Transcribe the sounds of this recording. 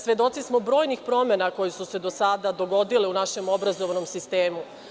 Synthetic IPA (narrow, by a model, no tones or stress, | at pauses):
sʋe̞d̪o̞t̪sismo̞bɾoːjnixpɾo̞me̞nako̞jesuse̞d̪o̞sad̪ad̪o̞ɡo̞d̪ileunaʃe̞mo̞bɾazo̞ʋano̞msist̪eːmu